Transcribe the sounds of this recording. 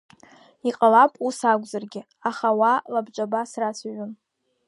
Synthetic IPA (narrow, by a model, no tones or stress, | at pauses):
iqʼalapʼusaɡʷzarɡʲɪ | aχawalabt͡ʃʷʼabasrasaɥʊn